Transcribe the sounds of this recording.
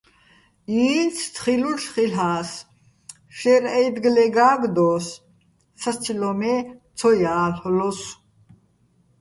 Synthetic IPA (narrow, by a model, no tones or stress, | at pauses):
iːnt͡sʰt̪χiluʃχilɦaːs | ʃɛɾɛjd̪ɡlɛɡaːɡd̪ɔːs | sast͡sʰilɔmɛt͡sʰɔjaːlħlɔs